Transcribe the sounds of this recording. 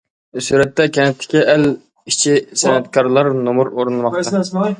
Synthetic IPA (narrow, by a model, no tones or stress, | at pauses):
suɾɛt̪ʰːɛkʲʰɛnɛt̪ʰːɪ̥kʲiʔɛl | it͡ʃʰisɛnɛt̪̚kʰɑɾlˠɑɾnomuɾoɾnlˠmɑq̪ɑ